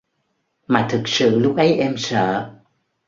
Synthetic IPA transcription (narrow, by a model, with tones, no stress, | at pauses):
maː˨˩t̪ʰɨ˨˩k̚sɨ̰˧˨lʊ˦˥k͡p̚ʔə˨˦jʔɛ˧msə̰ː˧˨